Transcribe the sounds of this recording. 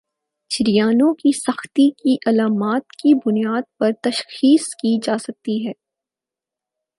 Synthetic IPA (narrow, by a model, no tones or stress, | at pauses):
ʃɪɾijaːnõkisɐxt̪ikiʔɐlaːmaːt̪̚kibʊnijaːd̪̚pɐɾt̪ɐʃxiːskid͡ʒaːsɐk̚t̪iɦɛː